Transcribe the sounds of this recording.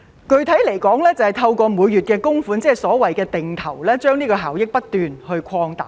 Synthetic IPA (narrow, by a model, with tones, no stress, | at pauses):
kɵ˨˧ɥt̪ʰɐ˨˥jle˨˩jkɔː˨˥ŋlɛː˥t͡sɐ˨whɐ˨jt̪ʰɐ˧wkɔː˧muː˨˧jːy˨t̚kɛː˧kʊ˥ŋfuː˨˥nt͡sɛː˥˨sɔː˨˥wɐ˨jkɛː˧t̪ɪ˨ŋt̪ʰɐ˨˩wlɛː˥t͡ʃœː˥ŋniː˥kɔː˧ɦaː˨˩wjɪ˥k̚pɐ˥t̚t̪yː˨nhɵ˧ɥkʰɔː˧ŋt̪aː˨˩